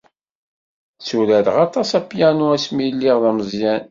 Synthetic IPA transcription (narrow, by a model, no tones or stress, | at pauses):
suɾæɾʁɑt̪ˤɑsæpːjænuæsmilːiʁðæməzˤjæn